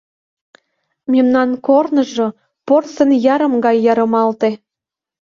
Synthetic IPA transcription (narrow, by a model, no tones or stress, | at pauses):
mʲemnɑnkornə̆ʒŏ | porsə̆njɑɾə̆mɡɑjːɑɾə̆mɑlt̪e